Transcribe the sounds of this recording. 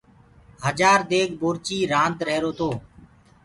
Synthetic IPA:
ɦəd͡ʒaːɾd̪eːɡboːɾt͡ʃiːɾãːnd̪ɾəɦɾoːt̪oː

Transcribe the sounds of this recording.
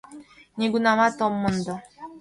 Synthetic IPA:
ɲeɡunamat̪ɔmːʊnd̪ɔ

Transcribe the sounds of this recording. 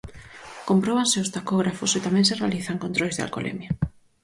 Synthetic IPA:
kompɾoβanseʊst̪akoɣ̞ɾafʊset̪amɛ̃nserealiθaŋkont̪ɾojzðea̰lko̰lʔḛmja

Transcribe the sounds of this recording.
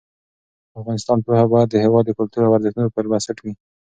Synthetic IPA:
afɣɑnɪst̪ɑnpohabɑjad̪ːəhewɑd̪ːəkʊlt̪uɾawaɾzɪxnunopəɾbasɪʈwi

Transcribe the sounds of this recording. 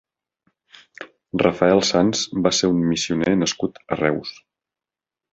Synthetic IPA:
rəfəɛlˠsanzbaseɾummisiunenəskut̪ə̰rɛws

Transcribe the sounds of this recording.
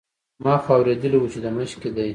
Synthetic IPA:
mɑxɑwɾed̪əliwut͡ʃed̪əməʃked̪aj

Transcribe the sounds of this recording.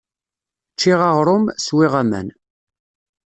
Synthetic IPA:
t͡ʃːiʁɑʁɾˤʊmswiʁæmæ̰n

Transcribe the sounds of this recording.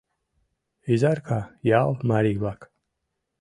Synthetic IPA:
izaɾkʰajalˠmaɾivak

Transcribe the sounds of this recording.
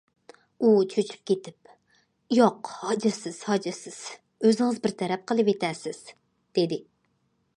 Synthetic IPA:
ut͡ʃʰøt͡ʃʰy̥p̚kʲet̪ʰɪp̚ | joqhɑd͡ʒɨsɪz̥hɑd͡ʒɪsɪz̥ | øzɪŋɨzbɪɾt̪ʰɛɾɛp̚qʰəlˠɨpet̪ʰɛsɪz̥ | d̪̥ed̪ɪ

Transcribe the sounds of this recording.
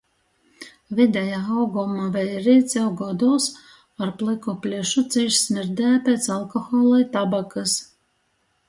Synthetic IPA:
vʲid̪ʲɛjaːawɡɔmavʲɛjɾiːt̪sʲɛwɡɔd̪uːs | aɾplˠikɔpʲlʲiʃut̪sʲiʃsmʲiɾd̪ʲɛjapʲɛt̪salˠkɔxɔːlˠajt̪abakɨs

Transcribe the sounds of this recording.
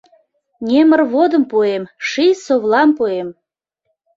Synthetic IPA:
nʲemərβod̪əmpuemʃisoβlɑmpuem

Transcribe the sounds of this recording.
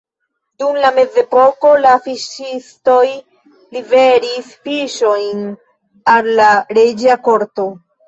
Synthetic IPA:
dumlame̞ze̞po̞ko̞lafiʃisto̞j | live̞ɾisfiʃo̞jn | alːaɾed͡ʒako̞ɾto̞

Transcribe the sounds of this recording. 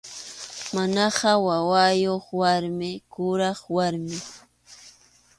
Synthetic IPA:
manɑɢɑwawajoχwaɾmɪkʊɾɑχwaɾmɪ

